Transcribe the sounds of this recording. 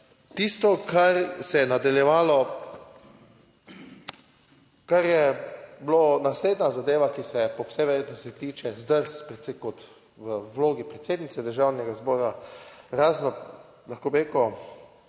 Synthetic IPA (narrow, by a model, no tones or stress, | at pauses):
t̪ist̪ɔkʰaɾsɛjɛnad̪aljɛʋaːlɔ | kaɾjɛbloːnasleːd̪nazad̪eːʋakisɛpɔwsɛʋeɾet̪nɔsɛt̪iːt͡ʃɛzd̪əɾspɾɛt̪sekɔt̪ | ʋəwloːɡipɾɛt̪seːd̪nit̪sɛd̪əɾʒawnɛɡazbɔːɾaɾaːznɔ | laxkoːbɾeːkɔ